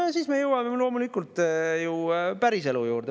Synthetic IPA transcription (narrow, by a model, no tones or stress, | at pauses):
siːsmejɤwɑmelo̞ːmulikult̪ˑjupæɾise̞lujuːɾd̪e